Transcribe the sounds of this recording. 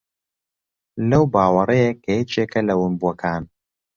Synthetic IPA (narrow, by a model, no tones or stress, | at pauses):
lɐwbaːwɐrɐjekʰːɐjet͡ʃeːkʰɐlɐwʊnbuɐkʰaːn